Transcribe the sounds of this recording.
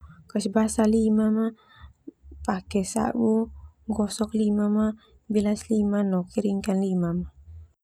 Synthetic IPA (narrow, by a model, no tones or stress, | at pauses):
kəsbasalimama | pakɛsa̰wuŋɡɔsɔklimama | bilaslimanɔkiɾiŋkanlimama